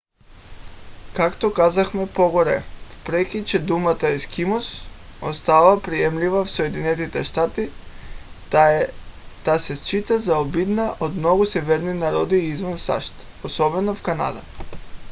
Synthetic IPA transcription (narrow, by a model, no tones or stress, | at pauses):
kakt̪okazaxmɛpoɡɔɾɛ̰fpɾɛkʲit͡ʃɛd̪umat̪aiskimɔsost̪avapɾiɛmlivafsoɛd̪inɛt̪it̪ɛʃt̪at̪i | t̪asɛst͡ʃit̪azaobid̪naʔod̪mnɔɡusɛvɛɾninaɾɔd̪iizvansa̰ʃt̪ | osɔbɛnofkana̰d̪a